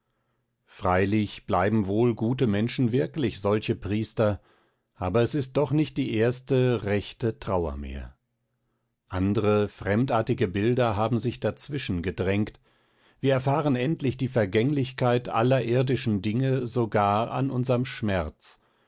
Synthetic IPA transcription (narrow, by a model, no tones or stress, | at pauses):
fʁ̥aɪlɪçb̥laɪbm̩voːlɡuːtəmɛnʃn̩vɪɐklɪçz̥ɔlçəpʁ̥iːstɐ | ʔaːbɐɛsɪst̚d̥ɔχnɪçt̚d̥iːʔeːɐstəʁɛçtətʁ̥aʊɐ̰mḛːɐ | ʔandəʁəfʁ̥ɛmtʔaːɐtɪɡəbɪldɐɦaːbm̩zɪçd̥at͡sv̥ɪʃn̩ɡədʁɛŋkt | viːɐɛɐfaːʁənɛntlɪçd̥iːfɛɐɡɛŋlɪçkʰaɪtʔa̰lɐʔɪɐdɪʃn̩dɪŋəzoɡaːɐa̰nʔʊnzɐmʃmɛɐt͡s